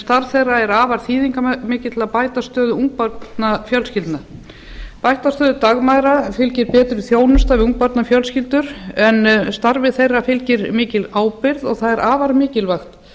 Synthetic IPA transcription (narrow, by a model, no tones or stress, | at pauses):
st̪aɾv̥θejrːaɛɾaːvaɾ̥θiːðiŋkamɪːcɪt̪ʰɪlapaːjt̪ast̪œːðʏuŋk̚paɾt̪nafjœlscɪlt̪na | pajht̪ast̪œːðʏt̪aɣmajðɾafɪlcɪɾpɛːt̪ɾɪθjoːwnʏst̪avɪuŋk̚paɾt̪nafjœlscɪlt̪ʏɾ̥ɛnst̪aɾvɪθejrːafɪlcɪɾmɪːcɪlaːwpɪɾðɔɣθaðɛɾʔaːvaɾmɪːcɪlvaxt̪